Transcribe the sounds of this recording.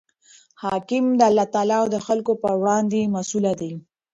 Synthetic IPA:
hɑkɪmd̪əalːɑt̪ɑlɑwd̪əxalkopəwɽɑnd̪emasulad̪e

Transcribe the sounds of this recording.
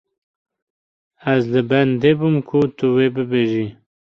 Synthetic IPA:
azd̪əband̪ebumkʰut̪uwebəbeʒi

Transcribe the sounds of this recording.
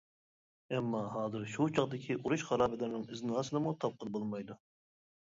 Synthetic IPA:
ɛmːɑɦɑːzɨɾʃut͡ʃʰɑqd̪ɪkʲʰiʔuɾuʃʁɑɾɑːbɪlɪɾnɨŋɪznɑːsɨd̪ɨmut̪ʰɑp̚qʰənbolˠmɑjd̪u

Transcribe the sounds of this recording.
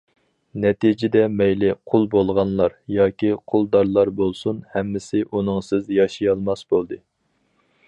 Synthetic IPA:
nɛt̪id͡ʒɪd̪ɛmɛjlɪqʰʊlˠbolˠʁɑnlˠɑɾjɑːkʲiqʰʊlˠd̪ɑɾlˠɑɾbolˠsunhɛmːɪsɪʔunɨŋsɪzjɑʃijɑlˠmɑsbolˠd̪ɨ

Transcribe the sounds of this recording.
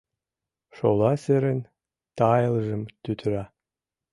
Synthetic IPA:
ʂo̰lˠɑseɾɘnʲ | t̪ɑjɤlˠʒɤ̆mt̪yt̪ʰɾɑ

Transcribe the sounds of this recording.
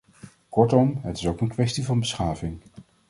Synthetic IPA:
kɔɹtɔmɦətɪ̥sowkənkʋɛstivɑnbəsχaːvɪŋ

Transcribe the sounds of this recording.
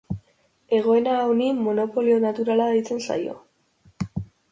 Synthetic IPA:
e̞ɣ̞o̞e̞naonimo̞no̞po̞lio̞nat̪uɾalaðajt͡se̞nsa̰jo̞̰

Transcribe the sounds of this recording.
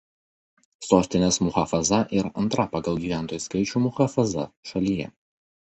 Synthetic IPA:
soːsʲt̪ʲɪnʲeːsmʊxɐfɐzɐʔɪɾɐnt̪ɾɐpɑɡɐlˠɡʲiːʋʲæˑnt̪oːjuːˑskɐɪt͡ʃʲumʊxɐfɐzɐ̰ʃɐlʲiːjɛ̰

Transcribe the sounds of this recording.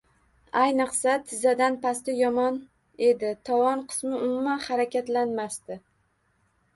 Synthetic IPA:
ajnɨqsat̪ʰɪzad̪anpast̪ɪjɒmɒn | e̞d̪ɪt̪ʰɒvɒnqʰɨ̥smɪʊmʊmanhaɾakʲʰat̪lanmast̪ɪ

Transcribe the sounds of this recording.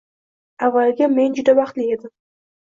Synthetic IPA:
avːalɡʲame̞nd͡ʒʊd̪avɑχt̪lɪe̞d̪ɪm

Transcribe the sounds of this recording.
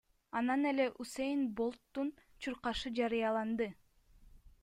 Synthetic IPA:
ɑnɑne̞le̞ʔusejnbo̞lˠt̪ːunt͡ʃʰuɾqɑʃɯd͡ʒɑɾɯjɑlˠɑnd̪ɯ

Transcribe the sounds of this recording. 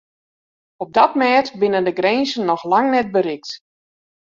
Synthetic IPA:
ɔb̚dɔtmɛːtbɪnəndəɡrɛːnzənːɔxlaŋnɛt̚bəɾɪk̚t

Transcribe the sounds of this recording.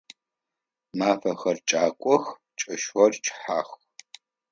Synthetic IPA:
maːfɐxɐrt͡ʃʼaːkʷʼɔx | t͡ʃʼɐʃwɔrt͡ʃʰʼħaːx

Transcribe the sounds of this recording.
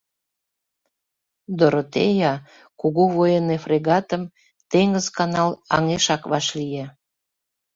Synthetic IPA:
d̪oɾot̪ejɑ | kuɣuβojənefreɣɑt̪əm | t̪eŋəzkɑnɑlɑ̰ŋeʃɑkβɑʃlije

